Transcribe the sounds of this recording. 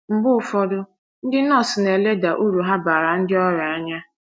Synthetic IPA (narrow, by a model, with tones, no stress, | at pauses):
m̩˨bʊ˦˨fɔ˦dʊ˦ | n̩˦dɪ˦nɔ˦˨sɪ˨ne˨le˦da˨ʔu˦ɾu˨ɦa˦ba˨ɾa˨n̩˦dɪ˦ɔ˦ɾa˨a˦ɲa˦